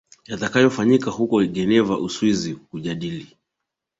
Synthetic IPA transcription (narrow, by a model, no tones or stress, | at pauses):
jatakajɔfaɲikahukɔɠɛnɛvaʔuswizikuʄaɗili